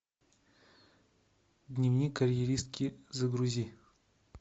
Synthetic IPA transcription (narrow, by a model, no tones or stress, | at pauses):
d̪ʲnʲivnʲikəɾʲjeɾʲist̪̚kʲɪzəɡɾuzʲi